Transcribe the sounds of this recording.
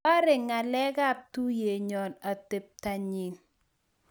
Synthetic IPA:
a˦ɾɪ˨ŋa˨lɛ˦ɡa˦˨p̚tu˦je˨ɲɔ˨na˨te˨p̚ta˨ɲi˨n

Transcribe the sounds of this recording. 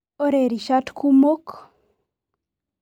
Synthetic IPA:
o˦ɾe˨ɾi˨ʃa˦tku˦mo˦k

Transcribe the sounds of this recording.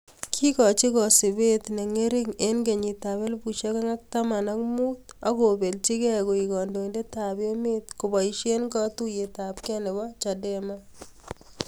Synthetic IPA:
kʰi˦kɔ˨t͡ʃi˦kɔ˨si˨be˦tne˨ŋe˦ɾi˦ŋe˦nɡe˨ɲi˨ta˨be˦lbu˨ʃe˦ka˦ŋa˦k̚ta˦ma˨na˦kmuː˦ta˦ko˨be˨lt͡ʃi˦kɛ˦ko˨i˨kɔ˨ndo˨i˨nde˦ta˨be˦me˦tku˨bɔ˨iʃe˦nkɔ˦tu˦je˨ta˨p̚kɛ˦ne˨bɔ˦t͡ʃa˨de˦ma˦

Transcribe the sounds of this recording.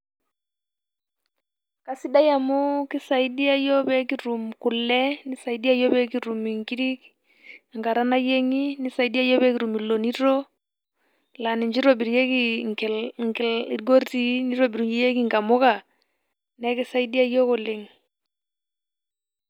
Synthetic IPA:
ka˨si˦da˦ja˨mʊ˦kɪ˦sa˨i˦di˦a˦jɔ˦bɛ˦ki˦ɾu˨mkʊ˨lɛ˦ni˦sa˨i˨di˦a˦jɔ˦bɛ˦ki˦ɾu˨mi˨ŋki˦ɾi˦k | a˨ŋɡa˨ɾa˦na˦je˦ŋi˦ni˦sa˨i˦di˦a˦jɔ˦bɛ˦ki˨ɾu˨mi˨lːo˨ni˦ɾɔ˦ | la˨ni˨ɲd͡ʒi˦ɾɔ˨bi˨ɾje˦ki˨ŋkŋi˨ɡo˦rti˦ni˦ɾɔ˨bi˨ɾu˨˦je˦ki˨ŋka˨mʊ˦ka˨ | nɛ˦kɪ˦sa˦i˦di˦a˦jɔ˦kʊ˨lɪ˨ŋ

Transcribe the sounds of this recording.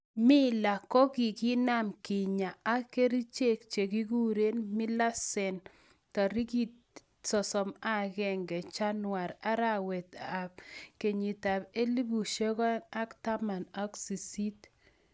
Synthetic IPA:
mɪ˦la˨kɔ˦ɡi˨kɪ˦na˦mkɪ˨ɲa˨a˦ke˦ɾi˦t͡ʃe˦k̚t͡ʃe˨ɡi˦ɡu˦ɾe˦nmɪ˦la˦sɛ˨n | tɔ˨ɾi˦ɡi˦ | sɔ˨sɔ˨ma˦ɡɛ˨ŋɡɛ˨t͡ʃa˦nwa˨ɾa˦ɾa˦wɛ˨t̪a˨b̚ke˨ɲi˨ta˨be˦li˦bu˨ʃe˦ɡɔ˦na˦kta˦ma˨na˦ksi˨si˦t

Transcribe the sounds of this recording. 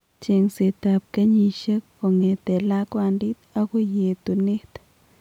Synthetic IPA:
t͡ʃe˨ŋse˨t̪a˨p̚ka˦ɲi˧ʃa˦kːo˨ŋe˨t̪e˨la˦kwa˧ndi˦t̪a˦ɡu˦je˨t̪u˨ne˦t̪

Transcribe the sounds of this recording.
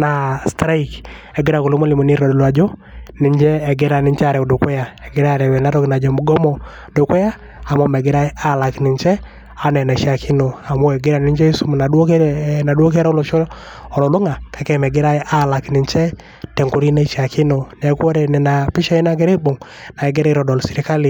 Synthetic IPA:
na˨stɾa˦ikɛ˨ɡɪ˦ɾa˨ku˨lo˦mo˦li˨mo˨ni˦ɾɔ˨dlwa˨d͡ʒɔ˦nɪ˨ɲd͡ʒɛː˦˨ɡɪ˦ɾa˨nɪ˦ɲt͡ʃa˨ɾɛ˨do˨kɛ˦ja˨ɛ˨ɡɪ˦ɾa˦ɾɛ˨wɛ˨na˦tɔ˦kina˨d͡ʒɔ˨mu˨ɡɔ˦mɔ˨ | do˨kɛ˦ja˦ | a˨mo˦mɛ˨ɡɪ˦ɾa˦e˦ʔa˦la˨knɪ˨ɲt͡ʃɛ˦ | a˨nɛ˨na˨i˨ʃa˨kʰi˦no˨a˨mo˦ɛ˨ɡɪ˦ɾa˨ni˦ɲt͡ʃɛ˦i˦su˦m˨na˨dwo˦kna˨do˦k̬e˦ɾa˦o˦lo˨ʃɔ˦ | ɔ˨lɔ˨lo˦ŋa˨ka˨˦kɛ˦mɛ˨ɡɪ˦ɾa˦e˦ʔa˦la˨kni˨ɲt͡ʃɛ˦ | tɛ˨ŋku˨ɾi˦na˦i˦ʃa˨ki˦no˨n˨ɛ˦kwo˦ɾɛ˨nɛ˨na˨pi˦ʃa˦i˦na˦ɡe˦ɾe˦bo˨ŋna˨ɛ˨ɡɛ˦ɾa˦i˦ɾɔ˨dɔ˨lsi˨ɾi˨ka˦li˨

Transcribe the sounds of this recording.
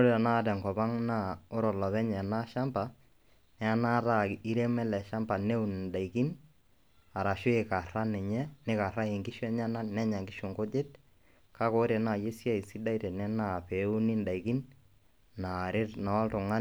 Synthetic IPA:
o˦ɾe˦ta˨na˦˨tɛ˨ŋkɔ˨ba˦ŋna˦o˦ɾɔ˨la˨βɛ˦ɲɛ˨na˦ʃa˦mpa˨ | nɛ˨˦a˦na˦ɾa˦˨ki˦ɾe˦mɛ˦lɛ˨ʃa˦mpa˨ne˦u˨n˨nda˨ɪki˦n | a˨ɾa˨ʃʊ˦e˨ka˨ra˦nɪ˨ɲɛ˦nɪ˦ka˨ɾa˦e˨ŋɡɪ˦ʃwɛ˦ɲa˦na˦nɛ˦ɲa˨ŋɡɪ˦ʃo˨ŋko˦d͡ʒe˦t | ka˦ko˦ɾe˨na˨je˦sja˦ɪ˨si˦da˦i˦tɛ˨nɛ˦na˦˨pe˨˦u˦nɪ˦nda˨ɪki˦n | na˨ɾɪ˦tna˨ɔ˦ltʊ˨ŋa˦n

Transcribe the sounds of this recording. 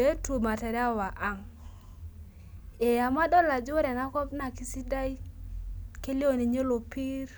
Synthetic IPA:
e˦tu˨ma˨tɛ˨ɾa˦˨wa˨ʔa˨ŋ | e˨a˨ma˦dɔ˦la˨d͡ʒo˦ɾɛ˨na˦kɔ˦pna˨ki˦si˦da˦i˦ | ke˦li˦o˦˨ni˨ɲe˦lo˨pi˦r

